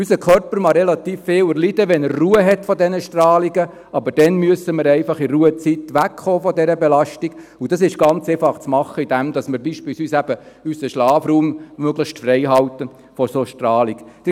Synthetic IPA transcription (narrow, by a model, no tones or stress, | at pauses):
ysəkʰœɾpəɾmɑɾɛlɑt̪iːfːeːwəɾlid̥̪əʋɛnəɾːuːəɦɛt̪fɔd̪ɛnəʃtrɑːliɡə | ɑbəɾd̥ɛnmyəsəməɾɛɪfɑχiɾuːət͡sit̪ʋækχoːfɔdɛɾəbelɑʃtiɡ̥ud̥ɑsɪʃɡ̥ɑnt͡seːfɑχt͡smɑχːəid̥̪æmd̥̪ɑsməɾbiːʃpiːlsyːsæb̥ə | ysəʃlɑːfruːmmøɡləʃtfrɛɪɦɑwt̪ə | fɔsoːʃtrɑːliɡd̥ə